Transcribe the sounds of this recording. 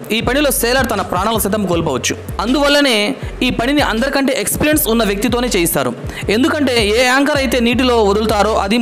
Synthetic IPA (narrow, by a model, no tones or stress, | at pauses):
iːpɐɳilo̞ːsɛːlɐɾt̪ɐnɐpɾaːɳɐlɐsɐt̪̬ɐmkoːlpɔːʋɐt͡ʃːuɐnd̪uʋɐlːɐne̞ːiːpɐɳiniʔɐnd̪ɐɾikɐɳʈe̞ːʔekspiːɾijɐnsunːɐʋjɐk̚t̪it̪oːne̞ːt͡ʃeːjist̪a̰ːɾṵe̞nd̪ukɐɳʈe̞ːeːaːŋkɐɾɐjt̪eːniːʈ̬ilo̞ːʋod̪ult̪aːɾo̞ːʔɐd̪i